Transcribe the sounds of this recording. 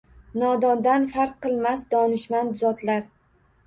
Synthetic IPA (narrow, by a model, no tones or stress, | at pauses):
nɒd̪ɒnd̪anfaɾqʰːɨlˠmasd̪ɒnɪʃmand̪zɒt̪laɾ